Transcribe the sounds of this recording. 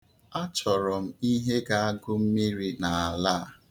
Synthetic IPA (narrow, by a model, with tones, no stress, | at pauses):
a˦t͡ʃɔ˨ɾɔ˨m̩˦i˦ɦe˦ɡa˨a˦ɡʊ˦m̩˦mi˦ɾi˦na˨a˨la˦˨